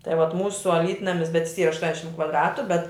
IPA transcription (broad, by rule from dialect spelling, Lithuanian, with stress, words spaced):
tɐɪ ʋɐt ˈmuːsʊ ɐˈlʲiːtnɐmʲɪs bʲɛt jɪs ˈiːrɐ ɐʃˈtuɔnʲɛʃʲɪm kʋɐdˈrɑːtʊ bʲɛt